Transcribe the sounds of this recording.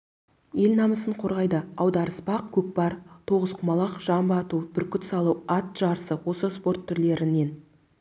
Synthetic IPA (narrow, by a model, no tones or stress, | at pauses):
je̞lnɑməsəɴqʰo̞ɾʁɑjd̪əɑwd̪ɑɾəspɑqkʲʰɵk̚bɑɾt̪ʰo̞ʁəz̥qʰʊmɑlˠɑqʒ̥ɑmbəɑt̪ubɪɾkʲʏt̪sɑlˠuwɑt̪̚ʒ̥ɑɾsəwo̞səspo̞rt̪ʰːʏɾle̞ɾɪne̞n